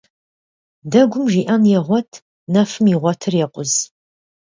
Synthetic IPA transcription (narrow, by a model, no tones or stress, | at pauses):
dɐɡʷʊmʒiːʔɐnjɛʁʷɔtʰ | nɐfɨmiʁʷɔtʰɨrjɛqʷʊz